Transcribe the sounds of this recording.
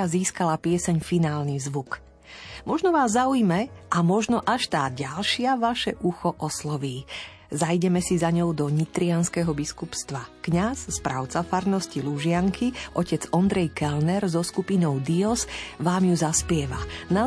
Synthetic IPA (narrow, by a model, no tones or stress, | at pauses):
aziːskalapɪɛsɛɲfinaːlnizʋuk | mɔʒnɔʋaːzːaujmɛʔamɔʒnɔʔaʃt̪aːɟalʃɪaʋaʃɛʔuxɔʔɔslɔʋiː | zajɟɛmɛsizaɲɔʊd̪ɔɲit̪ɾianskɛɦɔbiskupst̪ʋakɲasspɾa̰ʊt͡safaɾnɔsciluʒɪaŋkʰiʔɔcɛd͡zɔnd̪ɾɛjkɛlnɛɾzɔskupinɔʊd̪iɔsʋaːmjuzaspɪɛʋana